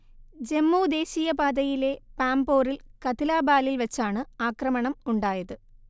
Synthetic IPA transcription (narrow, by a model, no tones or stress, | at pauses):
d͡ʑe̞mːuːd̪e̞ːɕijɐbaːd̪ɐjile̞paːmbo̞ːrilkɐt̪ilaːbaːlilʋɐt͡ɕːaːɳɨaːkrɐmɐɳɐmuɳɖaːjɐðɨ